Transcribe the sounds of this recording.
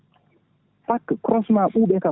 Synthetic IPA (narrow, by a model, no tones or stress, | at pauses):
pakːɾɔsmaɓuɓɛka